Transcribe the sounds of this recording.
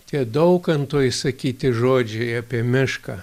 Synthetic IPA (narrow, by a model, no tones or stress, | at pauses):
t̪ʲiɛd̪ɐʊkɐnt̪oːjɪsɐkʲiːt̪ʲɪʒoːd͡ʒʲɛɪɐpʲiɛmʲɪʃkɐ